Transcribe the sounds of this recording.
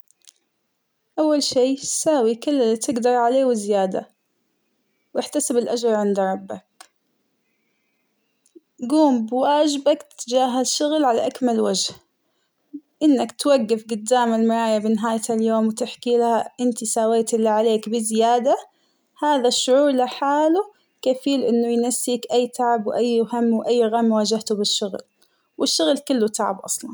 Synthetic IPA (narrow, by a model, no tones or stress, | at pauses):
ʔawːalʃiːsaːwikʊlːɪlːit̪ɪɡd̪ɑɾˤʕaleːwɪzɪjaːd̪a̰ | wɪħt̪asɪbɪlʔad͡ʒɾˤʕɪnd̪ɾˤɑbːak̚ | ɡuːmbwaːd͡ʒɪbakt̪ɪd͡ʒaːɦaʃʊɣlʕalaʔakmalwad͡ʒh | ʔɪnːakt̪waɡːɪfɡʊd̪ːaːmalmɪɾˤɑːjabɪnɪɦaːjt̪aljoːmwt̪ɪħkiːlhaʔɪnt̪isaːweːt̪ʔɪlːiʕaleːkbɪzɪjaːd̪a | haːðaʃːʊʕuːɾlaħaːlu | kafiːlʔɪnːʊjnasːiːkʔajːt̪aʕabwʔajːhamːwʔajːɣamːwaːd͡ʒaht̪ubɪʃːʊɣl | wɪʃːʊɣlkɪlːut̪aʕa̰bʔɑ̰sˤlɑn